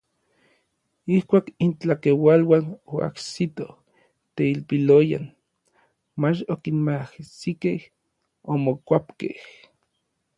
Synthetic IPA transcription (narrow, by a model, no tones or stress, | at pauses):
ihkʷaːkint͡ɬakewalwanoa̰ksit̪oh | t̪eilpiloja̰n | mat͡ʃokinmahsikeh | omokʷapkḛh